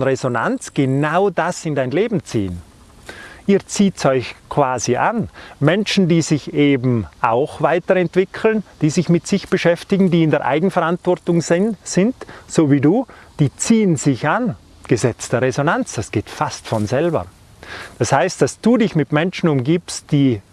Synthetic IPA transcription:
nʁezona̰nt͡sɡ̥enaʊdasɪndaɪnleːbm̩t͡sḭːən | ʔiːt͡siːtsɔʏçkʰv̥aːziʔa̰nmɛnʃn̩diːzɪçeːbm̩ʔa̰ʊxv̥aɪtəɾɛntv̥ɪkʰl̩nd̥iːzɪçmɪtsɪçb̥əʃɛftɪɡŋ̩diːɪndeːɐʔa̰ɪɡn̩fɛɐʁantv̥ɔʁtʊŋɪsɪntsoːviːduːd̥iːt͡siːənzɪçan | ɡ̥əzɛt͡sd̥əʁezonant͡sd̥asɡ̥eːtfastfɔnzɛlbɐ̰ | d̥ashaɪst̚d̥asd̥uːdɪçmɪtmɛnʃn̩ʊmɡiːpst̚d̥iː

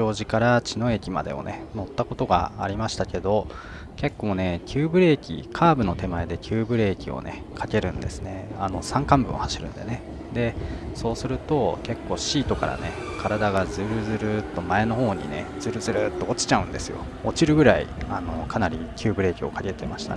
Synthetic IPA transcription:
o̞ːʑikaɾat͡ɕino̞e̞kʲima̰d̪e̞̰o̞̰ne̞no̞t̪ːako̞t̪o̞ɡa̰a̰ɾʲimaɕi̥t̪ake̞d̪o̞ | ke̞kːo̞ːne̞kʲʰɨːbɯ̟ɾe̞ːkʲḭkʰaːbɯ̟no̞t̪e̞mae̞d̪e̞kʲʰɨːbɯ̟ɾe̞ːkʲio̞̰ne̞̰ | kʰake̞ɾɯ̟̃nd̪e̞sɨ̥ne̞ano̞sãŋkãmbɯ̟̃o̰haɕiɾɯ̟̰̃nd̪e̞ne̞ | d̪e̞so̞ːsɨɾɯ̟t̪o̞ke̞kːo̞ːɕiːt̪o̞ka̰ɾa̰nḛ | kʰaɾad̪aɡazɨɾɯ̟zɨɾɯ̟t̪ːo̞mae̞no̞ho̞ːɲ̟ḭne̞̰d͡z̥ɨɾɯ̟zɨɾɯt̪ːo̞ot͡ɕi̥t͡ɕaɯ̟̃nd̪e̞sɨjo̞̰ | ot͡ɕiɾɯ̟ɡɯ̟ɾaḭano̞kʰanaɾʲikʲʰɨːbɯ̟ɾe̞ːkʲio̞̰kake̞t̪e̞maɕi̥t̪a

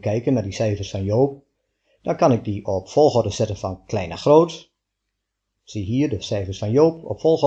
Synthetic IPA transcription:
kʰɛjkənadisɛjfərsfɔnjoːp̚ | d̥ɔnkɑnɪk̚diɔpfɔlˠxɔrdəsɛtənfɔnkʰlɛjnaxroːt | siɦiərdəsɛjfərsfɔnjoːpɔ̰pfɔlˠx

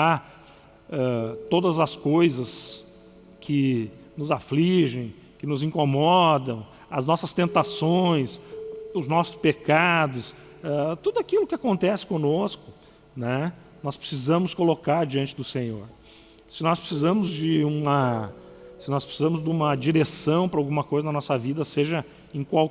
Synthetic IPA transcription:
a | ɛt̪od̪ɐzɐskojzɐs | kʰɪnʊzafliʒẽj̃ | kɪnʊzĩkomɔd̪ɐ̃w̃ | ɐznɔsɐst̪ẽnt̪asõj̃sʊznɔsʊ̥spekad̪ʊs | ɛt̪ud̪ʊakilʊkɪakõnt̪ɛsɪ̥kõnoskʊ̥ | nɛ | nɔspɾɪ̥sizɐ̃mʊskolokaɾd͡ʒiɐ̃nt͡ʃɪd̪ʊsẽɲo̰ɾ | sɪnɔspɾɪ̥sizɐ̃mʊzd͡ʒɪũmɐ | sɪnɔspɾɪ̥sizɐ̃mʊzd̪ũmɐd͡ʒiɾesɐ̃w̃pɾɐawɡũmɐkojzɐnɐnɔsɐvid̪ɐseʒɐ | ẽkwaw

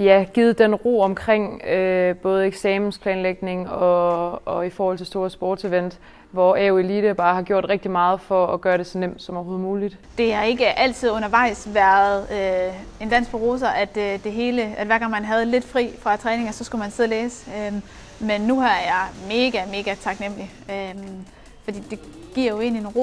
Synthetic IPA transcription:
jæɡ̥iːð̞̩ˠd̥enʁo̝̰ːɒ̽mkʰʁeŋ̰øb̥ɔ̽ːð̞̩ˠeɡ̥sɛːmn̩spʰlɛːnleɡ̥ne̝ŋɒ̽ː | ifɒːhɒ̽l̰t͡sʰe̝lsd̥o̝ːɐsb̥oːd̥sʰeʋen̰d̥ | ʋɒɛʊiliːɾ̥əb̥ɑ̈ːhɑ̈ɡ̥jo̝ɐ̰d̥ʁeɡ̥̚d̥imɑ̈ːð̞̩ˠfɒ̽ːɡ̥ɶːɐɾe̝sɒ̽nem̰d̥sɒ̽mɒho̝ːð̩ˠmuːlid̥d̥e̝hɑ̈e̝ɡ̥əʔæl̰t͡sʰið̞̰ˠɔ̽nɐʋɑ̈ɪ̰sʋæɐð̩ˠø | e̝nd̥æn̰s̚ɡb̥oʁo̝ːs̬ɐʔæd̥d̥e̝ɦe̝ːləæd̥ʋæɐɡɑ̈ŋ̰mænɦæð̞ˠle̝d̥fʁḭːfʁɑ̈t͡sʰʁɛːne̝ŋɒsɒ̽sɡ̥umænseðˠleːsø | menːuhɑ̈æɐjɑ̈ɪme̝ːɡ̥æme̝ːɡ̥æt͡sʰɑ̈ɡ̥nem̰li | øm | fɒ̽d̥ḭːd̥e̝ɡ̥iɐ̰jo̝e̝̰ːnienʁo

